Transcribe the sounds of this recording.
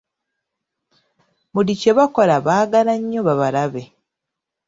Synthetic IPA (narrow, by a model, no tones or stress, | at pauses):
mulice̞βako̞laβaːɡalaɲːoβaβalaβe